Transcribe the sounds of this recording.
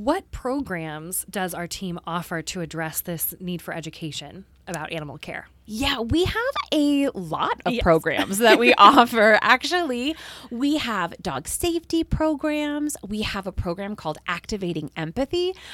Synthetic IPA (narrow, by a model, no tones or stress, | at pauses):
wʌt̚pʰɹ̥oʊɡɹæ̃mzdʌzaʊə˞tʰĩmɔfə˞ɾɨɨdɹɛsðɪsnid̥fə˞ɛd͡ʒɨkʰeɪʃɨ̃n | ɨbaʊɾʔænəm̩l̩ˠkʰɛ̰ɹ | jæwiəvɨlɔ̰ɾʌv̥pɹ̥oʊɡɹæ̰̃mzðɨt̚wiʔɔfə˞ʔæk̚t͡ʃul̩ˠiwiəvdɔ̰ɡ̥seɪftipʰɹ̥oʊɡɹæ̃mzwiəvəpʰɹ̥oʊɡɹæ̃mkʰɔlˠdʔæk̚tɨveɪɾɪ̃ŋɛ̃mpɨθi